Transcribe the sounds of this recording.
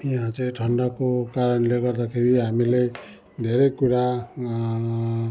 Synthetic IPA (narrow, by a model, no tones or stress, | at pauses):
iɦãt͡sʌjʈʰʌɳɖʌkokaɾʌnleɡʌrd̪akʰeɾiɦamile | d̪ʱeɾejkuɾa